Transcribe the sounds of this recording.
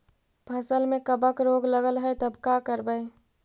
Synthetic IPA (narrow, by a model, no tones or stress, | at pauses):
pʰəsəlmẽkəbəkɾoɡləɡəlɦəjt̪əbkakəɾbəj